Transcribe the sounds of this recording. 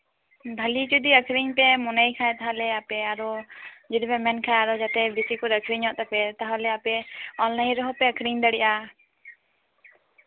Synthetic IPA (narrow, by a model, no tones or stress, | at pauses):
b̪ʱəlit͡ʃud̪iəkʰɾiɲpɛmɔnajkʰaɛt̪aɦalɛapɛaɾɔd͡ʒid̪pɛmɛnkʰajaɾɔd͡ʒat̪ɛbisikɔɾəkʰɾiɲɔʔt̪ɛpɛt̪aɦalɛapɛɔlnaĩɾɔɦɔpɛəkʰɾiɲd̪əɽiʔa